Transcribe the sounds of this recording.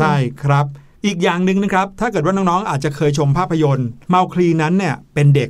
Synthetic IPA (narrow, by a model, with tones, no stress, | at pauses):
a˥˩jkʰɾa˦˥p̚ | ʔiː˨˩k̚jaː˨˩ŋnɯ˨˧ŋnɯ˧˦˥kʰɾa˦˥p̚t̪ʰa˥˩kɤ˨˩t̪̚wa˥˩nɔː˦˥nɔː˦˥ŋʔaː˨˩t̪̚t͡ɕa˨˩kʰɤː˧jt͡ɕʰo˧mpʰaː˥˩pʰːa˧jo˧nma˧wkʰɾiː˧na˦˥nːi˥˩ɐpe˧nde˨˩k̚